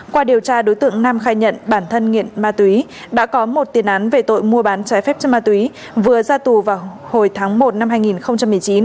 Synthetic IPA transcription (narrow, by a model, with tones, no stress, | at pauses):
kwaː˧ɗi˨˩əwt͡ɕaː˧ɗo˨˦jt̪ɨ̰˧˨əŋnaː˧mxaː˧jɲə̰˧˨nɓaː˧˩nt̪ʰə˧nŋḭ˧˨ənmaː˧t̪wi˨˦ | ɗa̰ː˧˥kɔ˨˦mo˨˩t̚t̪i˨˩ənʔaː˨˦nve˨˩t̪o̰˧˨jmu˧əɓaː˨˦nt͡ɕaː˨˦jfɛ˦˥p̚t͡ɕmaː˧t̪wi˨˦ | vɨ˨˩əzaː˧t̪u˨˩vaː˨˩w | ho˧˩jt̪ʰaː˨˦ŋmo˨˩t̚na˧mɦaː˧jŋi˨˩nxə˧wŋ͡mt͡ɕa˧mːɨ˨˩əjt͡ɕi˨˦n